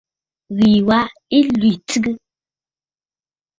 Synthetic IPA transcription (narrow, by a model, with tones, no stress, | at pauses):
ɣi˨wa˦i˦lwi˨tɨ˦ɡɨ˦